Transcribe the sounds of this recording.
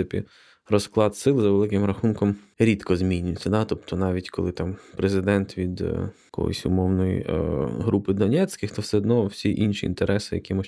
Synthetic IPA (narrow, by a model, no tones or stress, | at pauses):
ɪpʲḭ | rɔsklˠɑt̪sɪlˠzɐʋelˠɪkɪmɾɐxunkɔm | ɾʲit̪kɔzmʲinʲʊjɪt͡sʲːɐd̪ɑt̪ɔpt̪ɔnɑʋʲitʲkɔlˠɪt̪ɑmpɾezɪd̪ɛnt̪ʋʲid̪ | kɔ̰jɔ̰sʲʊ̰mɔwnɔjḭɦɾʔupɪd̪ɔnʲɛsʲkɪxt̪ɔwsɛɔd̪nɔwsʲiʔinʃʲiḭnt̪eɾʔɛsɪjɐ̰kʲimɔ